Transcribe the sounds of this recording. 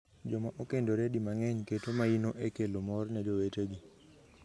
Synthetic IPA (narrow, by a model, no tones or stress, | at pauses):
d͡ʒɔmaʔokendoɾɛdimaŋɛɲketomainoʔekelomɔrnɛd͡ʒoweteɡi